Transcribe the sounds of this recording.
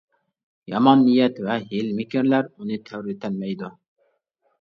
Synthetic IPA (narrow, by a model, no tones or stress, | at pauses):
jɑmɑnːijɛt̪vɛɦɪlmɪkʲiɾlæɾunɨt̪ʰɛwɾɪt̪ʰɛlmɛjd̪u